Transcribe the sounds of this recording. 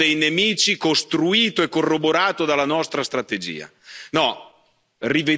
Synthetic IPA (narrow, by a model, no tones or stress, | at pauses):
ejnemiːt͡ʃikost̪ɾuiːt̪oɛkːorːoboɾaːt̪od̪alːanɔst̪ɾast̪ɾat̪ed͡ʒḭːa̰nɔ | rive